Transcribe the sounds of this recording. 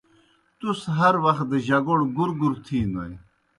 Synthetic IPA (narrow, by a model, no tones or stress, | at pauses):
t̪usɦɐɾwɐxt̪̚d̪əʑɐɡoɽɡuɾɡuɾt̪ʰiːnɐ̰j